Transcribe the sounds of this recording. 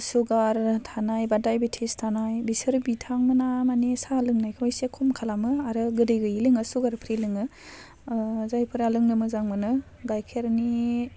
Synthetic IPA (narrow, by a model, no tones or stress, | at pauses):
suɡaɾtʰanajbadajbetʰestʰanajbisɯɾbitʰaŋmɯnamanisalɯŋnajkʰɔjsekʰumkʰalamɯaɾɯɡɯdɯjɡɯilɯŋɯsuɡaɾpʰɾilɯŋɯ | zajpʰɯɾalɯŋnɯmɯzaŋmɯnɯ | ɡajkʰeɾni